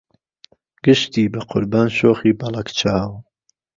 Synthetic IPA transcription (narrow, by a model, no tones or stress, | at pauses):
ɡ̥ɨʃt̪iːbɐqʰʊ̰ɾbaːnʃoːχiːbɑlˠɐkt͡ʃʰaːw